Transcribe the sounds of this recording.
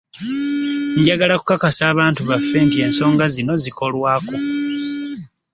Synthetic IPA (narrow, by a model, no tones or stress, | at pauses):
ɲɟaɡalaku̥kakasaːβaːntuβafːe̞ntie̞ːnso̞ːŋɡazino̞ziko̞lwaːko